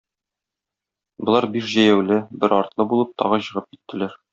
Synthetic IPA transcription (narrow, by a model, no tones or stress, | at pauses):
bŏlˠɑɾbiʃʑæjæwlɘbɘɾɒɾt̪lˠɤbulˠɤp̚t̪ʰɒ̰ʁɤɕɤ̆ʁɤp̚kit̪ːɘ̆læɾ